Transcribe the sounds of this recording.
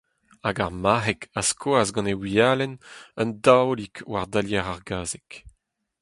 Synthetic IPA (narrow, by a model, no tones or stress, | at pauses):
aɡaʁmaʁɛkaskʰoazɡɑ̃newiaːlɛnəndawlikwaʁd̪aljɛʁaʁɡaːzɛk